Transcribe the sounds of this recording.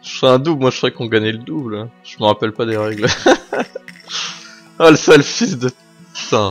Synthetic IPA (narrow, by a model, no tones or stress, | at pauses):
ʒə̥sɛɛ̃d̪ublmwaʒəuʁɛkɔ̃ɡaɲɛləd̪ublʒ̥əməʁapɛlpad̪eʁɛɡl | aləsalfisd̪ə | sɛ̃